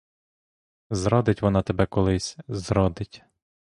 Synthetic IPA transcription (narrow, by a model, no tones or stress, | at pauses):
zɾɔd̪ɪtʲʋɔnɑt̪ebɛkɔlˠɪsʲzɾɔd̪ɪtʲ